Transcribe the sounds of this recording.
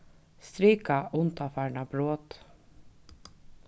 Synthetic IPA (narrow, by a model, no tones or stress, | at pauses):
st̪ɾiːkɑʔʊnt̪ɑfæːɳɑbɾoːt̪